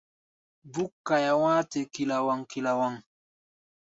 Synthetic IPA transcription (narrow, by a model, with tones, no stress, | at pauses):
bu˦kːa˨ja˨wãː˦te˨ki˨la˨wa˨ŋki˨la˨wa˨ŋ